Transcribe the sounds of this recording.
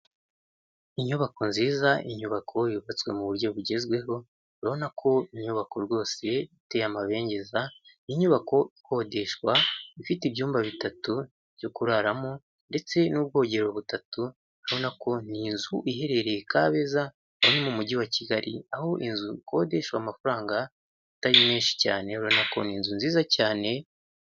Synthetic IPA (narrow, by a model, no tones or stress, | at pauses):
iɲuβako̞nziːzaʔiɲuβakʰo̞jiβat͡swe̞muβuɾɟo̞βuɟe̞zɡwe̞ɦo̞ | ɾaβo̞nakʰo̞iɲuβako̞ɾɡwo̞ːse̞ite̞jamaβe̞ːɲɟe̞zaniɲuβako̞i̥ko̞de̞ʃwaifitiβjuːmbaβitatu | vjokuɾaɾamo | nde̞t͡se̞nub̚ɡo̞ːɟe̞ɾo̞βutatu | aβo̞nako̞niːnzuʔiɦe̞ɾe̞ɾejekaːβe̞za | wuɲemumuɟiwaciɡaɾʔḭaho̞ʔinzuko̞de̞ʃwamafuɾaːŋɡa | ataɾimeːnʃi̥caːne̞uɾaβonako̞̰niːnzunziːzacaːne̞